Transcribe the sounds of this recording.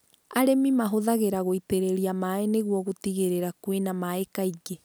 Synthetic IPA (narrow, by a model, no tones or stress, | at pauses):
aɾemimaɦoðaɣeɾaɣoiteɾeɾiamaeneɣwɔɣotiɣeɾeɾakwenamaekaiɡe